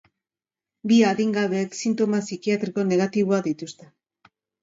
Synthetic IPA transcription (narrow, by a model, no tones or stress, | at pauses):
biaðiŋɡaβe̞ːksint̪o̞masikiat̪ɾiko̞ne̞ɣ̞at̪iβoaðit̪ust̪e